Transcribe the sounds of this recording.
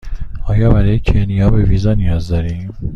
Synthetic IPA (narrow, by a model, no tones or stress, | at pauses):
ɒːjɒːbæɾɒjecʰenijɒːbeviːzɒːnijɒːzd̪ɒːɾiːm